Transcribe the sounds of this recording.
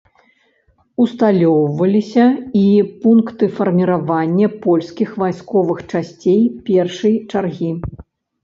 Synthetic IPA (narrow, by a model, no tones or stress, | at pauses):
ust̪alʲɔwvɐlʲisʲɐipunkt̪ɨfɐrmʲiɾavanʲːɐpɔlʲskʲixvajskɔvɨxt͡ʂasʲt͡sʲejpʲɛrʂɨjt͡ʂarɣʲi